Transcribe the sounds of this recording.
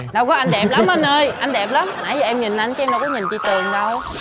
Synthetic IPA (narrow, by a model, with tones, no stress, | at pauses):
ɗa˧wkɔ˨˦ʔa˧ŋɗɛ˨˩p̚la˨˦mʔə˧nʔəː˧jʔa˧n̟ɗɛ˨˩p̚la˨˦mnaː˨˦jza˨˩ʔɛ˧mɲi˨˩n̟ʔa˧nt͡ɕɛ˧mna˧wkɔ˨˦ɲi˨˩nt͡ɕi˧t̪ɨ˨˩əŋɗə˧w